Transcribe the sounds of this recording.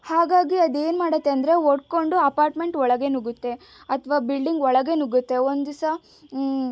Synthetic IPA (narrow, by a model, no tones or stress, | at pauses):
haːɡaːɡiɐd̪e̞ːnmaːɽɐt̪ːeɐnd̪ɾe̞oɽko̞ɳɖuɐpaːɾʈme̞ɳʈɔɭɐɡe̞nuɡut̪ːe̞ | ɐt̪ʰʋaːbilɖiŋɡɔɭɐɡe̞nuɡut̪ːe̞ond̪usɐ